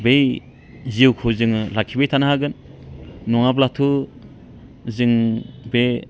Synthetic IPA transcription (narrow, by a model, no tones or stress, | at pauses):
bej | ziwkʰɯwzɯŋɯlakʰːibejtʰanaɦaɡɯn | nɔŋaplatʰu | zɯŋbe